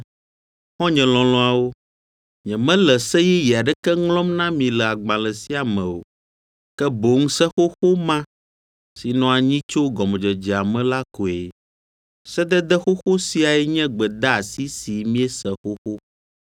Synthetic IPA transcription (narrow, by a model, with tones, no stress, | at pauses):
xɔ̃˦ɲɛ̃˨lɔ̃˨lɔ̃˨a˨wo˦ | ɲɛ̃˨mɛ̃˦lɛ˨sɛ˦jɛ˦jɛ˨a˨ɖɛ˦kɛ˦ŋlɔ̃˦mnã˦mĩ˨lɛ˨a˨ɡ͡bã˨lɛ˨si˦a˨mɛ̃˨o̰˨ | kɛ˦bo˨ŋũ˦sɛ˦xo˦xo˦mã˦ | si˨nɔ̃˦a˨ɲĩ˦t͡ʃo˦ɡɔ˨m˨d͡ʒɛ˨d͡ʒɛ˨a˨mɛ̃˦la˦ko˨e˨ | sɛ˦d̪ɛ˦d̪ɛ˦xo˦xo˦si˦a˨ɛ˦ɲɛ̃˦ɡ͡bɛ˨d̪a˦a˨si˦si˨mĩ˦ɛ˦sɛ˨xo˦xo˦